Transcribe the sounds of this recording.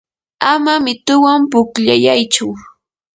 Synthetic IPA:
amamɪt̪ʊwampʊkʎajajt͡ʃʊ

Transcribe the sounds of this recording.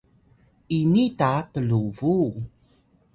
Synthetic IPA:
ʔinitatəluvu

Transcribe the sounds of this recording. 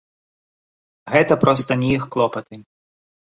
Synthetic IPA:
ɣɛt̪ɐpɾɔst̪ɐnʲiixklˠɔpɐt̪ɪ

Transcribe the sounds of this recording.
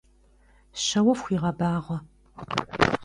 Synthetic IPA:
ɕɐwɐfxʷiːʁɐbaːʁʷɐ

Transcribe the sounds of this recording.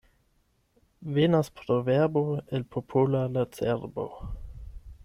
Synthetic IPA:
venaspɾoveʁboelpʰopʰolalat͡sḛɾbo̰

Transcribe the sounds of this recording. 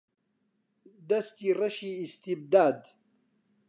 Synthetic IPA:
d̪ɐst̪iːrɐʃiist̪ib̚d̪aːd̪

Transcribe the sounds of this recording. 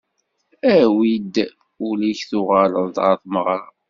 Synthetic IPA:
æwid̪ | uliçθʊʁaləld̪ʁəθməʁɾˤɑ

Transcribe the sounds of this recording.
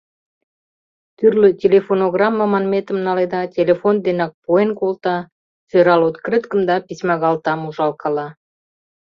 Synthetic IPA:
t̪yrløtʲelʲefonoɣrɑmːəmɑnmet̪əmnɑled̪ɑtʲelʲefond̪enɑk̚poenkolt̪ɑ | søɾɑlot̪krɨt̪kəmd̪ɑpʲisʲmɑɣɑlt̪ɑmuʒɑlkɑlɑ

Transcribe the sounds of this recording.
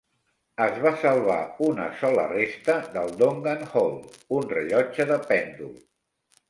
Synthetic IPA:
əzβasəlˠβa̰unə̰sɔlə̰rest̪əðəlˠd̪oŋɡanhɔlˠunrəʎɔd͡ʒəðəpɛnd̪ul

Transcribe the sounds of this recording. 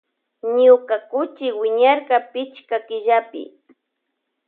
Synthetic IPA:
ɲʊkakʊt͡ʃɪwɪɲaɾkapɪt͡ʃkakɪʒapɪ̰

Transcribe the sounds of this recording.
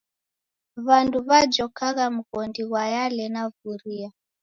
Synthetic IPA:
βanduβad͡ʒɔkaɣam̩ɣɔndiwajalɛnavuɾia

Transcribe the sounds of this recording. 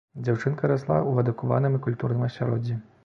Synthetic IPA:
d͡zʲawt͡ʂɨnkɐɾaslˠa̰ʔuɐd̪ɨkuva̰nɨmikulʲt̪urnɨmɐsʲaɾɔd͡zʲːi

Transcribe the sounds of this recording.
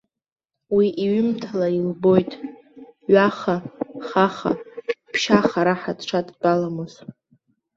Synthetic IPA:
wiʔiɥʊmtʰalailbo̞jtʼ | ɥaχaχaχa̰pʰʃaχaɾaħadʈ͡ʂʷʰadʼt͡pʼalamɨz

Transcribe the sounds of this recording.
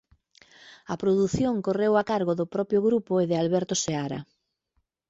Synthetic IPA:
ɐpɾoðuθjoŋkorewakaɾɣoðʊpɾɔpjoɣɾupoeðɪalβɛɾt̪oseaɾɐ̰

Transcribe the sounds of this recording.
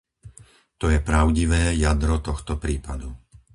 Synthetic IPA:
t̪ɔjɛpɾaʊɟiʋɛːjad̪ɾɔt̪ɔxt̪ɔpɾiːpad̪u

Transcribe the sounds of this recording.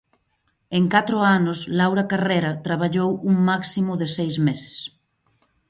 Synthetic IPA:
eŋkat̪ɾʊanoslawɾakareɾat̪ɾaβ̞aʎowuŋmaksimʊðesejzmese̥s

